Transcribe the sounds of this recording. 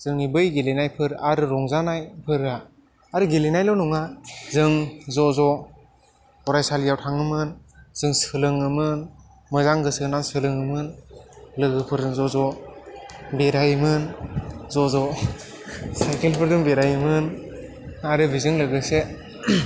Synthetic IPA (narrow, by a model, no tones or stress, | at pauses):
z̥ɯŋibɯjɡelenajpʰɯɾaɾɯɾɔŋzanajpʰɯɾa | aɾɯɡelenajlɔnuŋazɯŋzɔzɔ | ɔɾajsaljawtʰaŋɯmɯnz̥ɯŋsɯlɯŋɯmɯn | mɔjzaŋɡɯsɯnaŋsɯlɯŋɯmɯnlɯɡɯpʰɯɾɯŋzɔzɔ | beɾajɯmɯnzɔzɔ | sajkʰelpʰɯɾdɯŋbeɾajɯmɯn | aɾɯbizɯŋlɯɡɯse